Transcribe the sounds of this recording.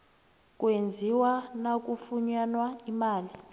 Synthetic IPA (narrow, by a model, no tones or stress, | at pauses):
k̬ʼwend͡zʱiwanak̬ʼufuɲanwaimaːli